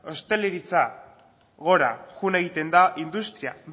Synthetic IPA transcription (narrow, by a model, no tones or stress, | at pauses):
o̞st̪e̞leɾit͡sa | ɣo̞ɾa̰ɣune̞ɣ̞it̪e̞nd̪aʔind̪ust̪ɾia̰